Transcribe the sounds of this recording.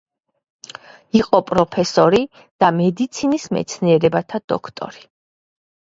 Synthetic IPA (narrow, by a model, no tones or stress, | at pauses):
iqʼɔpʼɾɔpʰɛsɔɾi | d̪̥amɛd̪it̪sʰinismɛ̰t̪sʰniɛɾɛbat̪ʰad̪ɔ̰kʰt̪ʼɔ̰ɾi